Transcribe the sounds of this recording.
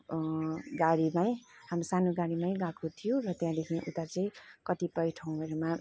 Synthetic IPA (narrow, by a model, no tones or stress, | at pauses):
ɡaɽimaj̃hamrosanoɡaɽimaj̃ɡãkʰot̪ʰijorʌt̪jãd̪ekʰĩʔṵt̪at͡sʌĩkʌt̪ipʌjʈʰʌw̃ɦʌɾuma